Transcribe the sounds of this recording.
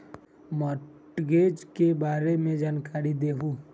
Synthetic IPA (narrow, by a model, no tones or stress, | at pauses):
mɔ | ʈɡeːd͡ʒkebaːɾemẽd͡ʒaːnkaːɾid̪eːɦu